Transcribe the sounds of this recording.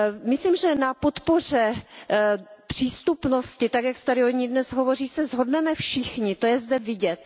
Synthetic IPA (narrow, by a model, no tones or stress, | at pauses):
mɪslimʒɛnapot̪por̝ɛ | pr̥iːst̪upno̞scɪt̪aɡjaksɛ̥t̪aɾɪoɲiːdnɛsɦovo̞riːsɛzɦo̞dnɛmɛfʃɪxɲɪt̪o̞jɛzdɛvɪɟɛt̪̚